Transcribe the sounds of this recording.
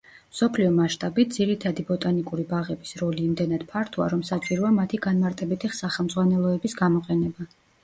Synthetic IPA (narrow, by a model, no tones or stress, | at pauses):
msɔpʰliɔmaʃt̪ʼabit̪̚d̪z̥iɾit̪ʰad̪ibɔt̪ʼanikʼuɾibaʁɛbisɾɔliːmd̪ɛnad̪̥pʰaɾt̪ʰɔa̰ɾɔmsat͡ʃʼiɾɔamat̪ʰiɡanmaɾt̪ʼɛbit̪ʰisaχɛlˠmd̪zʼʁwanɛlˠɔɛbisɡamɔqʼɛnɛba